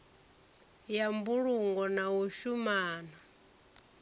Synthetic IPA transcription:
jambuɺuŋɡɔnaɦuʃumaːna

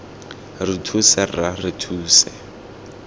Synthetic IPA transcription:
ritʰusɛraritʰuːsɛ

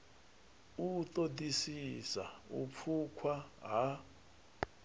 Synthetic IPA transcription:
ut̪odisisa̰ṵp̪fʰukʰwaɦa

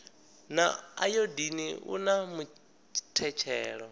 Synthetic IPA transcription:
naa̰jodiniṵnamu | tʰɛt͡ʃʰɛːɺɔ

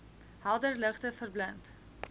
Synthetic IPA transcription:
hɐlˠdərləχtəfərblənt

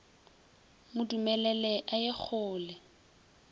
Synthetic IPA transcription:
mʊdumɛlɛlɛʔajek͡xʰʊːlɛ

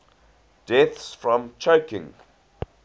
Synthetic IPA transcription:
d̥ɛθsfɹɔ̃mt͡ʃʰoʊkɪ̃ŋ

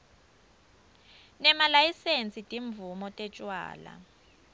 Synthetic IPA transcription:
nɛmalajisent͡sʼitʼiɱb̪vumɔtʼɛt͡ʃʼwa̰ːla̰

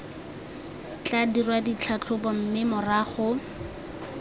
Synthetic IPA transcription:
t͡ɬadirwadit͡ɬʰat͡ɬʰʊpɔm̩mɪmʊraːχʊ

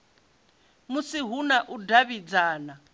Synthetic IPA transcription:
musiɦunaʔudaβid͡zaːna

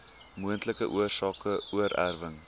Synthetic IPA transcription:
muəntləkəʔuərsɑːkəuəɾʔæ̰rvəŋ

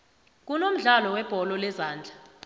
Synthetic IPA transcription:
k̬unom̩ɮalɔwɛb̥ʱɔlɔlɛzaːnd͡ɮʱa

